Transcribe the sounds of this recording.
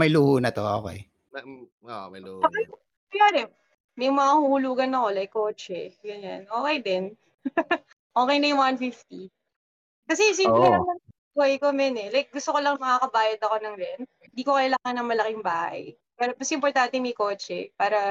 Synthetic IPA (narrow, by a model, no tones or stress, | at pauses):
mɐjluːhunɐt̪o̰ʔo̰kḛj | oʔmɐjuːʔoːkej | ɐjaːɾɛm | mɐjŋmɐŋahuhʊluːɡɐnɐko̞lajkːo̞ːt͡ʃɛɡɐɲa̰nʔoːkejd̪ɛn | ʔo̞ːkejnɐjʊŋwanfift̪i | kɐs̬ɛs̬impɾɛlɐŋnɐŋbuhɐjkomɛnɛlajk̚ɡʊst̪okolɐŋmɐŋakɐbaːjɐd̪ɐko̞nɐŋɾɛn̚hɪnd̪iːkokɐjlaːŋanɐŋmɐlɐkɪŋbaːhɐ̰j | paːɾɐpɐsʔɪmpoɾt̪ant̪ɛmɐjko̞ːt͡ʃɛpaːɾɐ